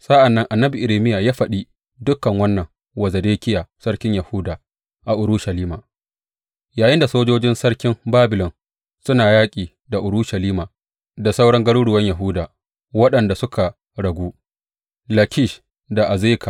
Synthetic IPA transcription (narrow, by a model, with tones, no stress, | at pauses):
sʼɐ˦ʔa˨nːɐ˦ŋʔa˨nːɐ˦bi˨ʔɪ˨ɾeː˨mɪ˦ja˨jaː˦ɸɐ˨ɗi˦ | dʊ˦kːɐ˨ŋwɐ˦nːɐ˨ŋ | wɐ˨zɐ˨deː˦kʲɪ˦jaː˨sɐ˦ɽkʲɪ˦ɲjɐ˨hʊ˦daː˨ | ʔa˨ʔʊ˨ɾu˦ʃa˨liː˦maː˨ | jaː˨jɪ˦nda˨soː˦d͡ʒoː˦d͡ʒɪ˦nsɐ˦ɽkʲɪ˦mbaː˦bɪ˨lɔ˨n | sʊ˦naː˨jaː˦kʲʼiː˨ | da˨ʔʊ˨ɽuː˦ʃa˨liː˦maː˨ | da˨sa˦wɽɐ˦ŋɡɐ˦ɽuː˦ɽʊ˨wɐ˦ɲjɐ˨ɦʊ˦daː˨ | wɐ˦ɗɐ˨nda˨sʊ˦kʰa˨ | ɽɐ˨ɡʷuː˦ | lɐ˨kʲɪ˦˨ʃ | da˨ʔa˨zeː˦kʰa˨